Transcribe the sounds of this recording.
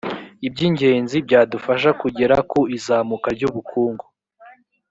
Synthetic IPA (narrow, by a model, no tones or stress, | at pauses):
ibɟiɲɟe̞ːnzibɟaːdufaʃ̬akuɟeɾakoizaːmukaɾɟuβukʰuːŋɡo